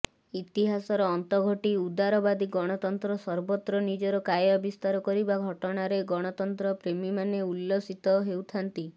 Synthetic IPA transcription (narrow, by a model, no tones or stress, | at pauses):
it̪iɦasɔɾɔːnt̪ɔɡʱɔʈiud̪aɾɔbad̪iɡɔɽ̃ɔt̪ɔnt̪ɾɔsɔɾbɔt̪ɾɔnid͡ʒɔɾɔkajɔbist̪aɾɔkɔɾibaɡʱɔʈɔɽ̃aɾeɡɔɽ̃ɔt̪ɔnt̪ɾɔpɾemimaneulːosit̪ɔɦewt̪ʰant̪i